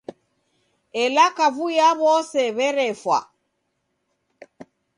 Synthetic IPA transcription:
ɛlakavujaβɔsɛβɛɾɛfwa̰

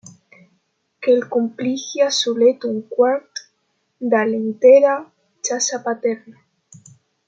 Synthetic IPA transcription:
kelkumplixjasulet̪uŋkwaɾt̪ | d̪alent̪eɾa | t͡ʃasapat̪eɾna

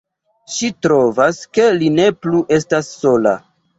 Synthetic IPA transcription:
ʃitɾo̞vaske̞line̞pluʔe̞stasːo̞la̰

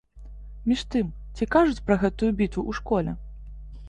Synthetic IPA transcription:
mʲiʂt̪ɨm | t͡sʲikaʐut͡sʲpɾɐɣɛt̪ujubʲit̪vuʔuʂkɔlʲɛ

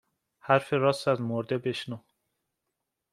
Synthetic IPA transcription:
hæɾfeɾɒːst̪æzmoɾd̪ebe̞ʃnuː

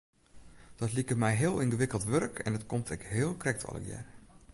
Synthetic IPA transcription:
d̥ɔtlikəmɛjɦɪəlˠinɡəʋɪkəlˠtʋørkʰɛ̰ndɔtkʰomtʰɛkɦɪːəlˠkrɛk̚tʰɔ̰lˠə̰kjɛ̰r

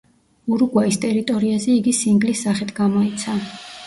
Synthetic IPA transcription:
uɾɡwaist̪ʼɛɾit̪ʼɔɾiazɛiɡisiŋɡlisːaχɛt̪ʰɡamɔit̪sʰa

